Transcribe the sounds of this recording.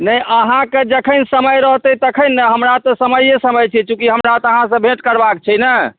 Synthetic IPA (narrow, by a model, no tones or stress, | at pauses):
nəjəɦãked͡ʒəkʰənsəməjɾəɦt̪ət̪əkʰənːəɦəmɾat̪ɔsəməjesəməjt͡ʃʰɛt͡ʃũkiɦəmɾat̪ɔəɦãsə̃bʱeʈkəɾbak̚t͡ʃʰɛnə